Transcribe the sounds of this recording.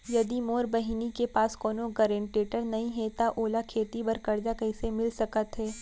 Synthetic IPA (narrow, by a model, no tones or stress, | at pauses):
jɐd̪imoːɾbɐɦinikepaːskɔːnoɡɐɾẽːɳʈeːʈəɾnɐɦĩɦɛt̪aʔoːlakʰeːt̪ibɐɾkɐɾd͡ʒakɐisemɪlsɐkət̪ɦɛː